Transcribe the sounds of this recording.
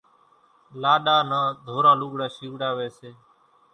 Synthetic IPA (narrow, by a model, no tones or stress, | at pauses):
laːɗaːnaːd̪ʱoːɾaːluːɠɽaːʃiːʋɽaːʋeːseː